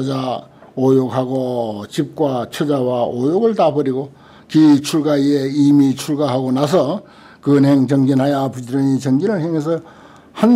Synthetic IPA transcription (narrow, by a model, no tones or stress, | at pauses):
d͡ʑaojokɦaɡot͡ɕip̚k͈wat͡ɕʰod͡ʑawaojoɡɯɭtabʌɾiɡo | kit͡ɕʰuɭɡaieimit͡ɕʰuɭɡaɦaɡonas̬ʰʌ | kɯnɦeŋt͡ɕʌŋɡinɦajapʰɯd͡ʑɯɾʌɲit͡ɕʌŋɡinɯɭheŋjens̬ʰʌ | han